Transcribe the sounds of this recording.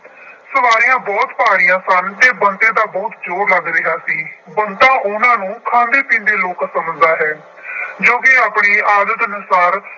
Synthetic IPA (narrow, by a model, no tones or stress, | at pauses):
səʋaːɾijãːbɔːt̪paːɾijãːsənt̪eːbənt̪ẽːd̪aːbɔːt̪d͡ʒoːɾləɡɾɪɦaːsiːbənt̪ãːʔʊnãːnũːkʰãːnd̪eːpĩːnd̪eːloːkːsəmd͡ʒd̪aːɦɛː | d͡ʒõːkɪaːpɳiːaːd̪ət̪ənʊsaːɾ